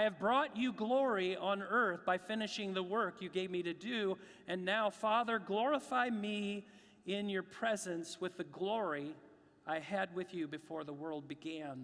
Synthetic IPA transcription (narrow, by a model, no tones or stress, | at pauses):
aɪɨvbɹɔt͡ʃɨɡlɔɹiə̃nɜ˞θb̥aɪfɪ̃nɨʃɪ̃ŋðəwɜ˞kjɨɡeɪvmiɾɨdʉ | ɨ̃nːaʊfɑðə˞ɡlɔɹəfaɪmi | ɪ̃njə˞pʰɹ̥ɛzɨ̃nswɨðɨɡlɔɹi | aɪɨd̚wɨðjɨbɨfɔɹðəwɜ˞lˠd̚bɨɡæ̃n